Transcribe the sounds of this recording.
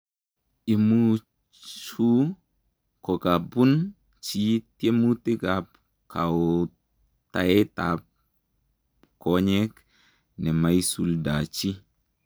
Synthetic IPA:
i˨mu˦ | t͡ʃu˦ | ko˨ka˨bu˦n | t͡ʃi˦te˦mu˦ti˦ɡa˨p | kʰa˨w | ta˨e˦ta˨p̚ | ko˦ɲe˦k | nɛ˨ma˦jsu˦lda˨t͡ʃi˦

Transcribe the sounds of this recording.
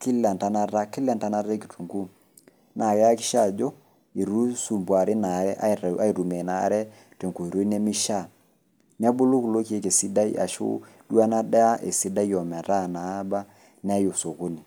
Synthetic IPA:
ki˦la˨nta˦na˦ɾa˦ki˦la˨nta˦na˦ɾa˦ki˨tʰu˨ŋɡu˦ | na˨kɛ˦a˦ki˦ʃa˦˨d͡ʒo˦ | i˨ɾu˦su˨mbwa˨ɾe˦na˨ɛ˦ʔa˦˨ɾa˦i˨ɾu˨mɛ˨na̰˨˦ɾɛ˦ | te˨ŋko˨i˨ɾo˦ne˦mi˦ʃa˦˨ | n˦a˦bu˦lo˦ku˨lo˦ki˦e˦ke˨si˦da˦ḭ˦ʔa̰˨ʃo̰˦ | du˦a˦na˦dɛ˦a˦ʔe˨si˦da˦i˦ɔ˨mɛ˨ɾa˦˨na˨˦ba˦ | n˦a˦jo˨so˨ko˦ni˨

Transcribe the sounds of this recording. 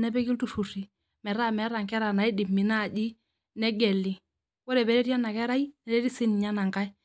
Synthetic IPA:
nɛ˦bɛ˦kɪ˦ltu˦˨fu˨ri˨ | mɛ˨ɾa˦mɛ˨˦ɾa˨ŋkɛ˦ɾa˨na˨˦i˦dɪ˨mɪ˨na˦˨d͡ʒɪ˦ | nɛ˦ɡɛ˨lːɪ˨ | wɔ˦ɾɛ˨bɛ˨ɾɛ˦ti˦a˦na˨kɛ˦ɾa˦i˦nɛ˨˦dɛ˦ɾi˦sɪ˦n˨ɲa˦na˨ŋka˦j

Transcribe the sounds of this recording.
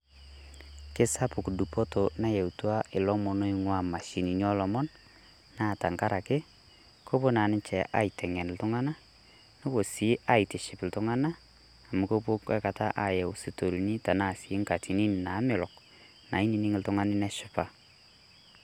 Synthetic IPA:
kɪ˦sa˦pʊ˨ku˨du˨pɔ˦to˨na˦jɛ˨wtu˦a˦ʔɪ˨lɔ˦mɔ˨no˦ɪ˦ŋwa˦ma˨ʃi˨ni˨ɲɔ˦lɔ˨mɔ˦n | na˦˨ta˨ŋka˦ɾa˨kɪ˦ | kʰo˦po˦na˨nɪ˦nt͡ʃɛ˨ʔa̰˦i˨tʰɛ˨ŋɛ˨n˨ltʊ˦ŋa˦na˦ | nʊ˦ko˨si˨˦ʔa˦i˨tɪ˨ʃɪ˨pɪ˨ltʊ˦ŋa˦na˦ | a˨mʊ˨ko˦po˦ka˦ka˨ta˦ʔa˨jɛ˨ʊ˨si˨to˨lni˦ta˨na˦˨si˨˦ŋka˨ti˨ni˦n˨na˨˦mɪ˨lɔ˨k | na˨i˦ni˨nɪ˦ŋɪ˨ltʊ˦ŋa˦nɪ˦nɛ˦ʃʊ˦pa˨

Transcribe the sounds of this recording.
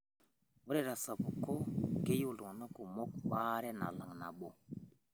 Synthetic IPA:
wu˦ɾe˦ɾa˨sa˨bu˨ko˦ke˦ju˦˨lu˨no˦ku˨mɔ˦kɓa˦ɾɛ˦na̰˨la̰˨ŋna̰˨ɓo˨

